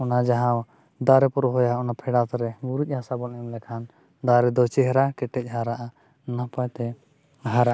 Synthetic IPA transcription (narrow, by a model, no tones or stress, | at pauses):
ɔnad͡ʒaɦãw | d̪aɾɛpɔɾɔɦɔjaɔnapʰɛɽat̪ɛɾɛɡuɾuc̚ˀhasabɔnɛɔmlɛkʰan | d̪aɾɛd̪ɔt͡ʃiɦɾakɛʈɛc̚ˀɦaɾaʔa | napajt̪ɛ | ɦaɾaʔ